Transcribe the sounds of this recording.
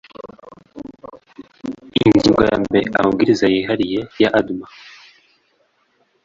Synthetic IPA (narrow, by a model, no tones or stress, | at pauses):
innziŋɡaja̰ːmbeʔa̰hub̚ɡiɾizajiɦaɾije̞jaʔaduma